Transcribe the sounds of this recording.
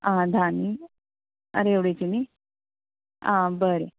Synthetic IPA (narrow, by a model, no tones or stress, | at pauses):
ãd̪ʱani | ə̰ɾeeʋɽet͡ɕini | ã̰bəɾe